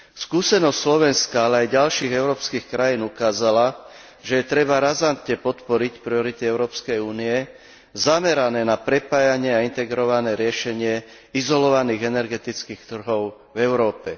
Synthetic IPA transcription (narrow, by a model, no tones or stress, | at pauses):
skuːsɛnɔstʲslɔʋɛnskaalɛajɟalʃiːɣɛʊɾɔːpskiːxkɾajiːnukaːzala | ʒɛjɛt̪ɾɛbaɾazant̪ɲɛpɔt̪pɔɾicpɾiɔɾit̪iɛʊɾɔːpskɛjuːniɛ | zamɛɾanɛːnapɾɛpaːjaɲɪɛaint̪ɛɡɾɔʋanɛːɾɪɛʃɛɲɪɛ | izɔlɔʋaniːɣɛnɛɾɡɛt̪it͡skiːxt̪r̩ɦɔʊ | vɛʊɾɔːpɛ